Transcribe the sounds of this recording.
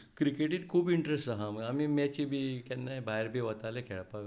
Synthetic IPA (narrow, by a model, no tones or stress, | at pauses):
kɾikeʈiːt̪̚kʰuːbiɳʈɾesʈaɦaməɡamimat͡ɕibikɛnːajbajɾbiʋət̪alekʰeɭpaɡ